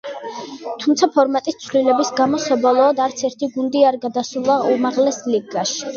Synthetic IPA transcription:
t̪ʰumt̪sʰapʰɔɾmat̪ʼist̪sʰvlilɛbisɡamɔsɔbɔlˠɔːd̪aɾt̪sʰɛɾt̪ʰiɡund̪iaɾɡad̪asulˠaumaʁlɛsliɡaʃi̥

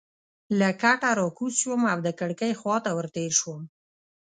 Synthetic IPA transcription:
lakaʈaɾokuswəmawd̪əkəɽkəjxwɑt̪awəɾt̪eɾʃwəm

